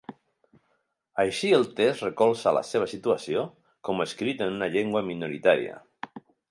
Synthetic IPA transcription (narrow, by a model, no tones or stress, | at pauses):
ajʃielˠt̪esrekɔlˠsala̰seβ̞asit̪uasio | komeskɾit̪ənunaʎeŋɡwaminuɾit̪aɾj̰a̰